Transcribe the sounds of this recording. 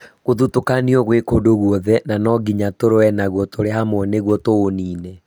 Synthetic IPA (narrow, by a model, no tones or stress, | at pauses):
ɣoðutokaniɔɣwekodoɣwɔðɛnanɔɡiɲatoɾoɛnaɣwɔtoɾeɦamwɔneɣwɔtooniːnɛ